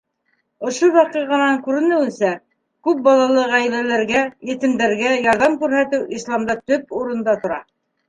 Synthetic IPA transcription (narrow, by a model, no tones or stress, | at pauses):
ŏʃowɑqɤʁɑnɑŋkʉɾɘ̆nɘ̆wɘ̆nsæ | kʉp̚bɑlˠɑlˠɤʁæjlælæɾɡæjɘ̆t̪ɘ̆md̪æɾɡæjɑɾðɑmkʉɾhæt̪ɘwislˠɑmd̪ɑt̪ɵp̚uɾɤ̆nd̪ɑt̪ŏɾɑ̰